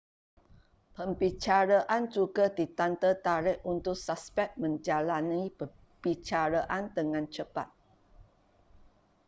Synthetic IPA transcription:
pəmbit͡ʃaɾaʔand͡ʒuɡadit̪ant̪ət̪aɾɪʔunt̪ʊk̚saspɛk̚mə̃ɲd͡ʒalanipə | b̥it͡ʃaɾaʔand̪əŋãnt͡ʃəpa̰t̪̚

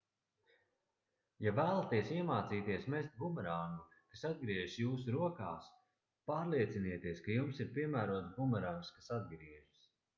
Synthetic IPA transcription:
javæːlˠat̪iɛsiɛmaːt̪siːt̪iɛsmɛst̪̚ɡumɛɾaːnukasad̪̚ɡɾiɛʒjuːs̬uɾuɔkaːs | paːɾlˠiɛt̪siniɛt̪iɛskajumsiɾpʲiɛmæːɾuɔt̪ɡumɛɾaːnskasad̪̚ɡɾiɛʒs

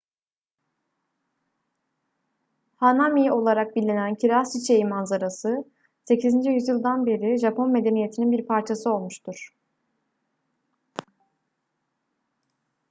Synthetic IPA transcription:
hanamio̞lˠaɾak̚bilʲːinæncʰiɾasit͡ʃʰe̞jimanzaɾasɯ | se̞cʰizind͡ʒijyzjɯlˠd̪anbe̞ɾiʒapʰo̞nme̞d̪e̞nije̞t̪ʰininbiɾpʰaɾt͡ʃʰasɯo̞lˠmuʃt̪ʰuɾ̥

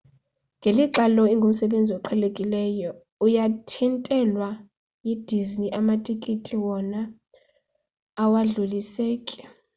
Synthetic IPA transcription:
ŋɡʱeliǁalɔiŋɡʱum̩sɛɓend͡zʱiɔǃʰɛlekʼilɛːjɔ | ujatʰintʼɛlwa | jid̥ʱizniʔamatʼikʼitʼiwɔna | waɮuliseːkʼi̥

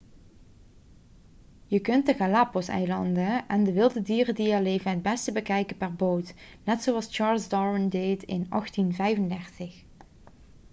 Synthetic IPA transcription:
jəkɵntəɣalaːposɛ̰jlɑndəɛndəʋɪlˠdədiːrədiəleːvənɦəd̚bɛstəbəkɛjkəpɛrbowtnɛtsowɑst͡ʃɑːɹlˠzdɑɹəndejtɪnɑ̰xtinvɛjvəndɛɹtəx

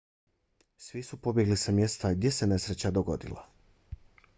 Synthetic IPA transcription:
sʋisupo̞bje̞ɡlisamje̞st̪aɡd̪je̞se̞ne̞sɾet͡ɕad̪oɡo̞̰d̪ḭla̰

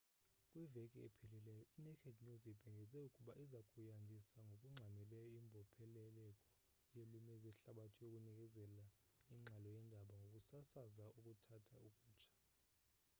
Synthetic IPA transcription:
kʼwivekʼiḛpʰililɛjɔʔinɛkʰɛdɲuzib̥ʱɛŋɡʱɛzɛukʼuɓaʔizakʼujandʱisaŋɡʱokʼuŋ͡ǁʱamɛlɛjɔimbʱɔpʰɛlɛlɛkʼɔ | jelumɛzɛɬaɓatʰɔjokʼunik̬ʼɛzɛlaiŋ͡ǁʱalɔjɛndʱaɓaŋɡʱokʼusasazaukʼutʰatʰaukʼuːt͡ʃʰḁ

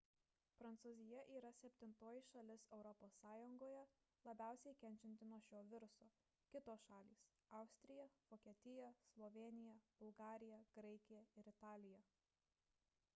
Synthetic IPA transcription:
pɾɐnt̪suːzʲɪjɛʔiːɾɐsʲɛpʲt̪ʲɪnt̪oːjɪʃɐlʲɪsɛʊɾɔpoːsːɑːjʊŋɡoːjɛ | lˠɐbʲæˑʊsʲɛɪkʲɛnʲt͡ʃʲɛnʲt̪ʲɪnuɔʃʲoːʋʲɪɾʊsoː | kʲɪt̪oːsʃɑːlʲiːs | ɐˑʊsʲt̪ʲɾʲɪjɛʋoːkʲiɛt̪ʲɪjɛslˠɔʋʲeːnʲɪjɛb̥ʊlˠɡɑːɾʲɪjɛɡ̥ɾɐɪkʲɪjɛɪɾɪt̪ɑːlʲɪjɛ

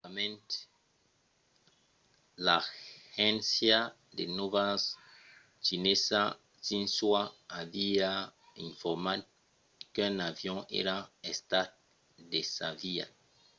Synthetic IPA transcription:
amẽnt̪ | laxɛ̃nsja | d̪enovas | t͡ʃinesa | sĩnswaːvia | ĩɱfɔɾmad̪ | kenavjɔ̃ʔḛɾaest̪at̚ | d̪esavia̰

